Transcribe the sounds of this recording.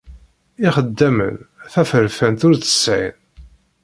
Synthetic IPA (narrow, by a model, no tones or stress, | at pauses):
ɪχəd̪ːæmə̰nθæfəɾfənt̪ʊɾθə̥sʕḭn